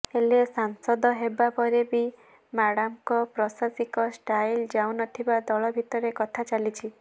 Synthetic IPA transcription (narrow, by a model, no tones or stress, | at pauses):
elesaŋsɔd̪ɔɦebapɔɾebi | maɽamkɔpɾɔsasikɔsʈajld͡ʒawnɔt̪ʰibad̪ɔɭɔbʱit̪ɔɾekɔt̪ʰat͡ʃalit͡ʃʰi